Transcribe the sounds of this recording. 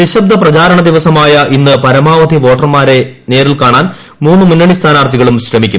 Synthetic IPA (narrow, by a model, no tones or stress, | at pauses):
ʋiɕɐb̚d̪ʱɐprɐt͡ɕaːɾɐɳɐd̪iʋɐsɐmaːjɐʔinːɨpɐɾɐmaːʋɐd̪ʱiʋo̞ːʈːɐrmaːɾe̞ne̞ːɾilkaːɳaːn | muːnːɨmunːɐɳist̪ʰaːnaːrt̪ʰiɣɐɭumɕrɐmikʲːum